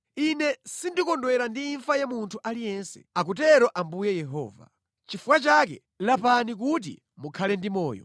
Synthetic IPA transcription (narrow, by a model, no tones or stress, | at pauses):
inɛsindikɔndwɛɾandiːɱfajamuntʰuʔalijɛnsɛ̰ak̬ut̬ɛɾɔʔambujɛjɛɦɔ̰ːva̰ | t͡ʃifukwat͡ʃak̬ɛ̰ | lapanik̬ut̬ḭ | mukʰalɛndimɔːjɔ̰